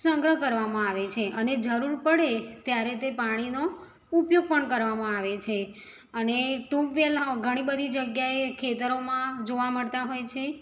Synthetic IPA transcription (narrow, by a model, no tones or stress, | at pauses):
səŋɡɾəkəɾʋamãaʋet͡ʃʰeʔəned͡ʒəɾuɾpəɽet̪jaɾet̪epaɽ̃ino | upjoɡ̚pəɳkəɾʋamãaʋet͡ʃʰe | əneʈũʋʋelɦɡʱəɽ̃ibəd̪ʱid͡ʒəɡjaekʰet̪əɾomãd͡ʒoʋaməɭt̪aɦojt͡ʃʰe